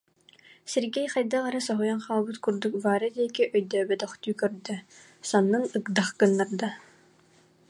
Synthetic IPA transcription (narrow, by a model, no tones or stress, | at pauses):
sɛɾɡɛjχajd̪aʁaɾɯsɔɦujanχaːlˠbɯt̪kuɾd̪uk̚baːɾɯd̪iɛkiʔœjd̪œːbɛt̪ɔχt̪yːkœɾd̪œ | sanːɯnɯkd̪aχkɯnːaɾd̪a